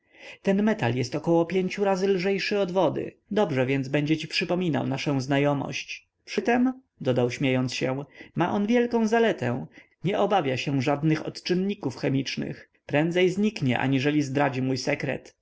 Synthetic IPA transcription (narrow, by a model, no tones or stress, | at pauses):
t̪ɛnmɛt̪aljɛst̪ɔkɔwɔpʲjeɲt͡ɕuɾazɘlʐɛjʂɘɔd̪vɔd̪ɘ̰ | d̪ɔbʐɛvʲjɛnd̪zbɛɲd͡ʑɛt͡ɕipʂɘpɔmʲina̰wnaʂɛ̃w̃znajɔmɔ̰ɕt͡ɕ | pʂɘt̪ɛm | d̪ɔd̪awɕmʲjejɔnt̪sɕɛmaʔɔnvʲjɛlkɔ̃w̃zalɛt̪ɛ̰̃ | ɲɛʔɔbavʲjaɕɛʐad̪nɘxɔ̰t̪t͡ʂɘnːikufxɛmʲit͡ʂnɘ̰x | pɾɛnd̪zɛjzɲikɲɛ̰ʔa̰ɲiʐɛlʲizd̪ɾad͡ʑimujsɛkɾɛ̰t̪